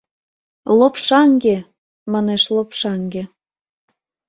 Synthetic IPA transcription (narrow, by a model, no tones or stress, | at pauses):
lopʃɑŋɡe | mɑneʃlopʃɑŋɡe